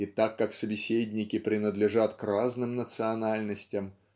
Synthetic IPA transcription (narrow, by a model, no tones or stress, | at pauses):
it̪akːaksəbʲɪsʲedʲnʲɪkʲɪpɾʲɪnəd̪lʲɪʐat̪kraznɨmnət̪sɨɐnalʲnəsʲtʲɪm